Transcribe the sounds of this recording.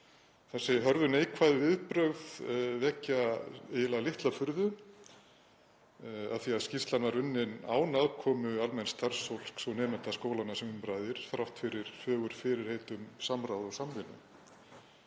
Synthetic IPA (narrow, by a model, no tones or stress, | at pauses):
θasɪɦœɾðʏnejkʰvaːðʏvɪðpɾœɣðvɛcːaɪjɪlalɪht̪lafʏɾðʏ | a̰ðθiaðscirst̪lanvaɾʏnːɪna̰ːwnaðkʰɔːmʏalmɛnst̪ar̥sowl̥ksɔwnɛːmɛnt̪askoːwlanasɛmʏmpɾaːðɪɾ̥θɾawht̪fɪɾɪɾ̥fœːɣʏɾ̥fɪɾɪɾ̥heːjt̪ʏmsamɾawðɔsamvɪnːʏ̰